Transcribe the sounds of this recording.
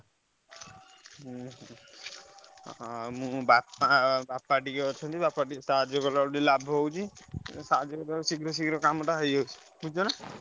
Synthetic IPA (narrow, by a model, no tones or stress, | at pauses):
mũbapbapːaʈikɔɔt͡ʃʰɔnt̪ibapːaɖisaad͡ʒɔɡɔlauɖilabʱɦowt͡ʃʰisaad͡ʒɔɡɔlausiɡɾɔsiɡɾɔkamɔʈaɦɔjɔwt͡ʃʰi̥ | bud͡ʒɔna